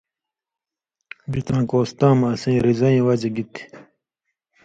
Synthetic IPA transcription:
bit̪ãːkoːst̪ãːmɐsẽːɾizɐĩːwɐd͡ʑeɡit̪i̥

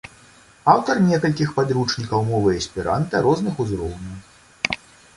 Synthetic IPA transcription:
awt̪ɐrnʲɛkɐlʲkʲixpad̪ɾut͡ʂnʲikɐwmɔvɨɐsʲpʲiɾa̰nt̪ɐɾɔznɨxuzɾɔwnʲɐw

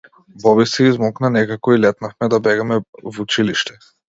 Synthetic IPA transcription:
bɔβisɛizmɔknanɛkakɔilɛt̪nafmɛd̪abɛɡamɛvut͡ʃiliʃt̪ɛ̥

